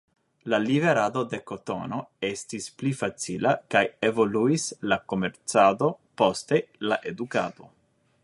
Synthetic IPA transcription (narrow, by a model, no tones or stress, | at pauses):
laliveɾad̪o̞d̪e̞ko̞t̪o̞̰no̞estisplifat͡sḭlakajevo̞luislako̞meɾt͡sad̪o̞po̞ste̞laʔe̞d̪uka̰d̪o̞